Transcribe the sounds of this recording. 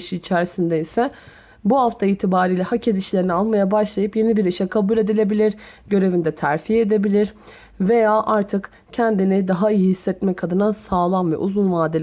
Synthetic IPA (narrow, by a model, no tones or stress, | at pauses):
ʃiːt͡ʃʰæɾisind̪ɛisɛ | buhaft̪ʰaiːt̪ʰibaːɾiːlʲɛhacʰed̪iʃlʲe̞ɾinialˠmajabaʃlˠajɯpje̞nibiɾiʃɛkʰabuːlʲe̞d̪ilʲe̞bilʲiɾɟø̞ɾe̞vind̪ɛt̪ʰæɾfied̪e̞bilʲiɾ | ve̞jaːʔaɾt̪ʰɯk | cʰænd̪inid̪aɦaijiihisːɛt̪mɛkʰad̪ɯnasaːlˠanvɛ̰ʔuzunvaːd̪i